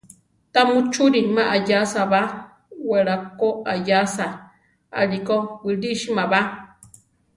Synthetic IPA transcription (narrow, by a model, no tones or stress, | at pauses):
t̪amũt͡ʃuɾimãʔajasaβa | weɾakoʔajasa | a̰ɾikowɨɾiʃimãβa